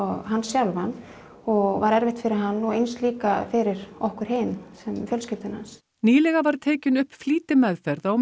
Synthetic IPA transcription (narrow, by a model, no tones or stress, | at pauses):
ɔɣɦanːsjawlvan | ɔɣvaɾɛɾvɪht̪fɪɾɪɾɦanːɔɣejnst̪liːkafɪɾɪɾɔhkʏɾ̥ɦeːjnsɛmfjœlscɪft̪ɪnhans | niːlɛɣavaɾ̥t̪ʰeːcɪnʏhpfliːt̪ɪmɛðfɛɾðaw